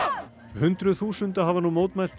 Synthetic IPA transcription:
hʏnt̪ɾʏθuːsʏnt̪aɦavanumoːwt̪majl̥t̪

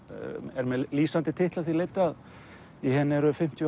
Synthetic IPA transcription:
ɛɾmɛðliːsant̪ɪt̪ʰɪht̪laθileːjt̪ɪað | iɦɛnːɛɾʏfɪm̥t̪j

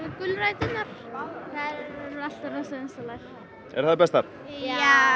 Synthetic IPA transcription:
kʏlrajt̪ɪnaɾ̥θaðɛɾɾɾal̥t̪aɾasaðɪnsalajx | ɛ̰ɾ̥θaðpɛst̪aɾ

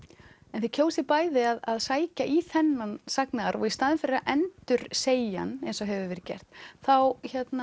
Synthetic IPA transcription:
ɛnθʏcʰowsɪpaːjðɪaðaðsaːjcaʔiθɛnːansaknaɣaɾɔ̰ɣist̪aðɪnfɪɾɪɾaʔɛnt̪ʏɾ̥seːja̰nejnsɔɦɛvʏvɪɾcɛ̰r̥t̪θawçɛt̪na

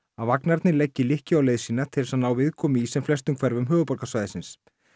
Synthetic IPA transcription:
avaknaɾt̪nɪlɛcːɪlɪhcɪawleːjðsiːnat̪ʰɪlsaðnaːwvɪðkʰɔːmɪisɛmflɛst̪ʏmkʰvɛɾvʏmɦœːvʏpɔɾkasvaːjðɪsɪns

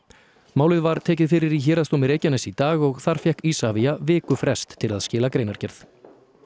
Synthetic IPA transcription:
maːwlɪðvaɾ̥t̪ʰɛːcɪðfɪɾɪɾiçɛːɾast̪owmɪɾeːjcanɛsit̪aːɣɔɣθaɾ̥fjɛhkisaviavɪːkʏfɾɛst̪ʰːɪlaðscɪːlakɾeːjnaɾ̥cɛɾθ

